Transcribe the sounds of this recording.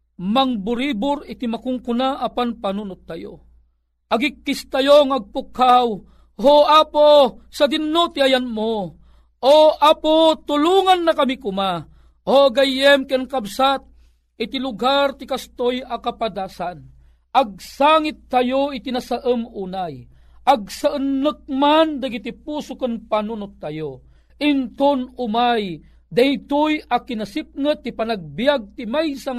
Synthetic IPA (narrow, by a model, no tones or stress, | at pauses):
maŋbʊɾibʊɾɪt̪imakʊŋkʊnaʔapanpanunʊt̪ːajo̰ | ʔɐɡikːist̪ajoŋɐɡ̚pʊkhaw | hoaposad̪ɪnːot̪iajanmo | ʔoapot̪ʊluːŋanːakamikʊma | oʔɡajɛmkɛnkabsat̪̚ | ɪt̪ilʊɡart̪ikast̪ojakapad̪aːsan | ʔaɡ̚saːŋit̪ːajoit̪inasaʔəmuːnaj | ʔaɡ̚saʔənːɨk̚mand̪aɡit̪ipusʊkənpanunʊt̪ːajo | int̪ʊnʊmaj | d̪ait̪ʊjakinasip̚ŋɨt̪ːipanaɡ̚bijaɡ̚t̪imajsaŋ